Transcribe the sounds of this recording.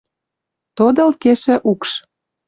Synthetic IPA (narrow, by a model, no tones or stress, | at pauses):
t̪od̪ɤ̆lkeʃɘ̆ʔukʃ